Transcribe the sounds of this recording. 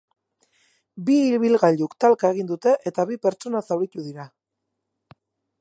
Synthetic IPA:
biːlβilɣaʎukt̪alkae̞ɣ̞ind̪ut̪e̞ʔe̞t̪aβipe̞ɾt͡ʃt͡so̞nasawɾit̪uðiɾa

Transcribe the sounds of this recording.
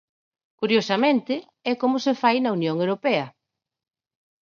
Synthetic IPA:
kuɾjosɐmẽnt̪ɪ | ɛkomʊsefajnɐunjoŋewɾopɛɐ

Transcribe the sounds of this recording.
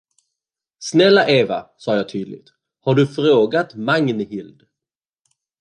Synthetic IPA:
snɛlːaʔeːva̰sɑːjɑːt̪ʰyːd̪lɪ̰ɡt̪ | haɖɵfɾoːɡat̪maŋnhɪld̪

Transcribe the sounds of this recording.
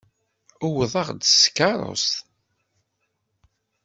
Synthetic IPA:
ʊwəðˤɑʁd̪skɑɾˤo̰st̪

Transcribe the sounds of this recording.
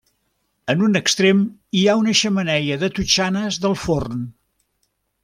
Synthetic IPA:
ənunəkst̪ɾemiaunəʃəmənɛʎəðət̪ut͡ʃanəzðəlˠforn

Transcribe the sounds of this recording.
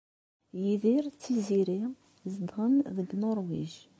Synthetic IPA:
jiðiɾt͡sːiziɾi | zd̪ʁənðəɡnoɾˤwiʒ

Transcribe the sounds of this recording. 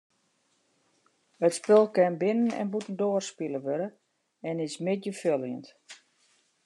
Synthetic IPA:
ətspɪlˠkɛnbɪnənɛ̰nbutən̩doːərspilˠəʋøɾə | ɛnɪsmɪt̚jəfjølˠjənt

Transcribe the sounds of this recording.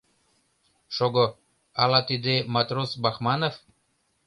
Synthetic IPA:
ʃoɡo | alat̪id̪emat̪ɾosbaxmanof

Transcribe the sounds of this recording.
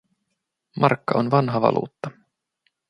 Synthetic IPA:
mʔɑrkːɑo̞nʋɑnɦɑʋɑ̰lʔṵːt̪ːɑ

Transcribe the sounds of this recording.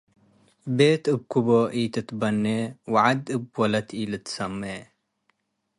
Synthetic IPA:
beːt̪ɨb̚kuboʔit̪ɨt̪bɐnːewaʕad̪ɨbwɐlɐt̪ʰilɨt̪sɐmːeː

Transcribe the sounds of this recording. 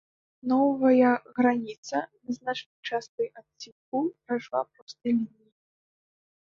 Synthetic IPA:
nɔvɐjɐɣɾanʲit̪sɐnɐznat͡ʂnɐjt͡ʂast̪ɐjat̪sʲinkupɾajʂlˠapɾɔst̪ɨjlʲinʲiji

